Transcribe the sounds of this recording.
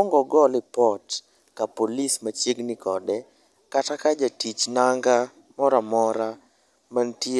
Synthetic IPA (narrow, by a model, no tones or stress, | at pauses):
ɔŋɡɔɡɔlɪpɔt | kapolismat͡ʃjeɡnɪkɔdɛ | katakad͡ʒatit͡ʃnaŋɡa | mɔɾamɔɾa | manti